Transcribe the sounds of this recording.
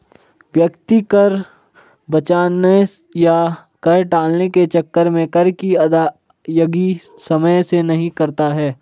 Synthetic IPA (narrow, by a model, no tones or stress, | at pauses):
ʋjəkt̪ikəɾ | bɐt͡ʃaːne | ja | kɐɾʈaːlneket͡ʃɐkːəɾmẽkɐɾkiɐd̪a | jəɡi | sɐməjsenɐɦĩkɐɾt̪aɦɛː